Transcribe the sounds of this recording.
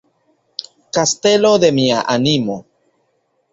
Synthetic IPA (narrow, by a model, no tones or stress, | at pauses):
kast̪elod̪emiaʔanimo